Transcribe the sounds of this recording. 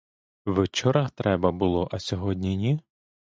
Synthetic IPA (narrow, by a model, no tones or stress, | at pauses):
ʋet͡ʃɔɾɐxt̪ɾɛbɐbʊlˠɔʔɐsʲɔɦɔdʲnʲinʲi